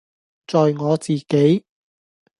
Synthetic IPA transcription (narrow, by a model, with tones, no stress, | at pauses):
t͡sɔː˨jŋɔː˨˧t͡siː˨ke˨˥j